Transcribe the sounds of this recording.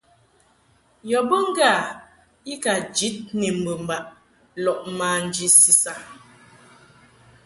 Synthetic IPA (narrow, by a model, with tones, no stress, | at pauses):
jɔ˨bə˦ŋ̩˦ɡa˦˨ | i˦ka˨d͡ʒi˨˦t̚ni˨m̩˨bə˨m̩˨ba˨ʔ | lɔ˨ʔma˨n̩˨d͡ʒi˦si˨sa˦